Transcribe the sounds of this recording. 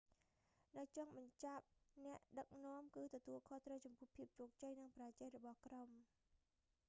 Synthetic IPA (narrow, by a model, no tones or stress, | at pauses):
nɨwt͡ɕoŋɓɑɲt͡ɕap̚nɛ̆əʔɗək̚noɔ̆əmkɨːt̪ɔt̪uəlkʰoht̪rəwt͡ɕɑmpʊ̆əhpʰiəp̚t͡ɕoːk̚t͡ɕəjnɨŋpraɛt͡ɕəc̚rɔɓɑhkrom